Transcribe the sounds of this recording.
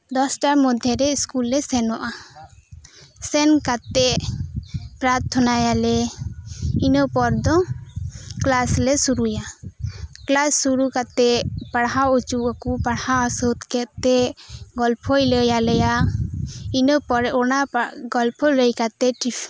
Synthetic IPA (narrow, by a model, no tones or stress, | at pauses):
d̪ɔsʈaɾmɔd̪ʱːɛɾɛiskulɾɛsɛnɔʔa | sɛnkat̪ɛʔ | pɾaɾt̪ʰɔnajalɛ | inəpɔɾd̪ɔ | klaslɛsuɾuja | klasːuɾukat̪ɛpaɽɦawut͡ʃuakupaɽhawasɔt̪kɛt̪t̪ɛɡɔlpʰɔjləjaləja | inəpɔɔnaɡɔlpʰɔləjkat̪ɛʈipʰ